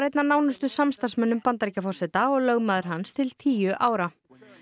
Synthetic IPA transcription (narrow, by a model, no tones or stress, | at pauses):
ɾejt̪nanaːwnʏst̪ʏsamst̪ansmɛnːʏmpant̪aɾicafɔrsɛt̪aɔɣlœɣmaðʏɾ̥ɦanst̪ʰɪlt̪ʰiːjʏʔaːwɾa